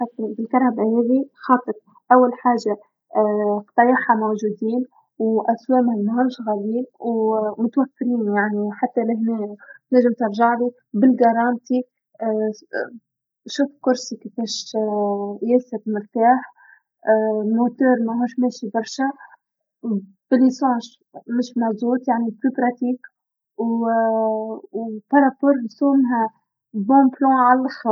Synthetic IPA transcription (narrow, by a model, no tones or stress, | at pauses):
at̪ːbɪlkɑɾˤabahɛːðixɑːt̪ˤɨɾ̚ˤ | ʔæwːælħaːʒa | qt̪ɑjɑħamowʒuːd̪iːn | wʔæswɛːmhæmɦuːʃɣæliːnwmʊt̪wæfːɪɾiːnjaʕniħat̪ːælɪɦnɛːnæʒɪmt̪ɑɾˤʒaʕli | bɪlɡɑɾˤɑːnt̪i | ʃuːfkʊɾsikifɛːʃ | jɛsəɾmʊɾt̪aːħ | mot̪œːɾˤmæɦuːʃmɛːʃibɑɾˤʃa | b̥ɪlːisɑ̃ːʃ | mɪʃmæzuːt̪jaʕniplypɾˤɑt̪iːk | w | wpɑɾˤɑpɔɾˤsoːmɦæ | bɔ̃ːblɑ̃ʕalxɑ